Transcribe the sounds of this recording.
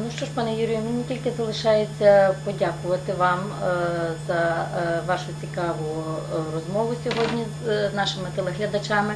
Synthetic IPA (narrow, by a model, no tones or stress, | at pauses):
nuʃt͡ʃɔʃpɑnɛjuɾʲijʊmɪnʲitʲilʲkɪzɐlˠɪʃɑjet͡sʲːɐpɔdʲakʊʋɐt̪ɪʋɑm | zɐʋɑʃʊt͡sʲikɑʋʊrɔzmɔʋʊsʲɔɦɔdʲnʲi | znɑʃɪmɪt̪ɛlˠeɦlʲɐd̪ɐt͡ʃɑmɪ